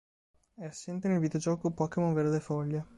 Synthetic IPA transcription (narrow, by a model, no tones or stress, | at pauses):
ɛasːent̪enelvid̪eod͡ʒɔːkopɔkemoveɾd̪efɔʎːe